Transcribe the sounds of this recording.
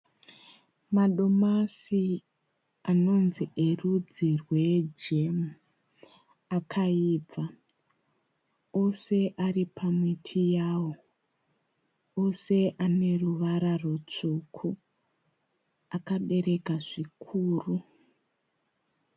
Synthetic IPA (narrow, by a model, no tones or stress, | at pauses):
maɗo̞masi | ano̞nziʔe̞rud͡zirwe̞d͡ʒe̞mu | akʰaiːb͡va | o̞se̞ʔaripʰamwitʰijaːwo̞ | o̞se̞ʔane̞ruʋaɾarut͡ʂuːkʰu | akaɓe̞ɾe̞kaʐikʰuːru